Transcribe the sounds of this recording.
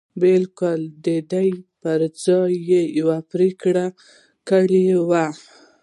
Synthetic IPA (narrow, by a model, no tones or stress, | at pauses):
belkʊld̪əd̪ajpəɾd͡zɑjːejawapɾekɽa | kəɽewa